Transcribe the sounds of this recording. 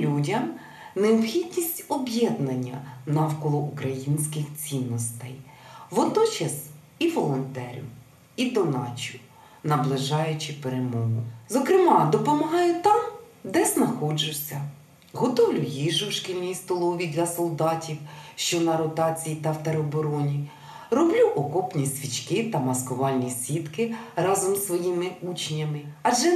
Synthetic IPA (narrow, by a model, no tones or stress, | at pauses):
lʲudʲɐm | neɔpxʲid̪ʲnʲisʲtʲɔbjɛd̪nɐnʲːɐ̰nɑwkɔlˠɔʔukɾɐjinʲsʲkɪxt͡sʲinːɔst̪ɛj | ʋɔd̪nɔt͡ʃɐs | iʋɔlˠɔnt̪ɛɾʲʊ̰ | id̪ɔnɑt͡ʃʊ | nɐblˠɪʒɑjʊt͡ʃɪpeɾemɔɦʊzɔkɾɪmɑd̪ɔpɔmɐɦɑjʊt̪ɑmd̪ɛznɐxɔd͡ʒʊwsʲɐ | ɦɔt̪ɔwlʲujiʒʊwʃkilʲnʲijst̪ɔlˠɔʋʲid̪lʲɐsɔlˠd̪ɑtʲiwʃt͡ʃɔnɐɾɔt̪ɑt͡sʲijit̪ɐwt̪ɐɾɔbɔɾɔnʲi | rɔblʲuʔɔkɔpnʲisʲʋʲit͡ʃkɪt̪ɐmɐskɔʋɑlʲnʲisʲʋʲit̪kɪɾɑzɔmsʋɔjimɪut͡ʃnʲːɐmɪɐd͡ʒɛ